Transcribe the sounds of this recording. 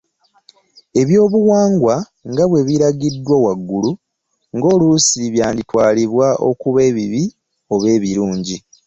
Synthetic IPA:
e̞βjo̞ːβuwaːŋɡwa | ŋɡaβwe̞βiɾaɡidːwowaɡːulu | ŋɡo̞ːlusiβjaːnditwaːliβwaʔo̞̰kuβe̞ːβiβi | o̞βe̞ːβiɾuːɲɟi

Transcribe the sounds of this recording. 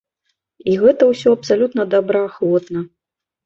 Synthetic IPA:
iɣɛt̪ɐwsʲɔɐpsalʲut̪nɐd̪abɾɐaxlˠɔt̪nɐ

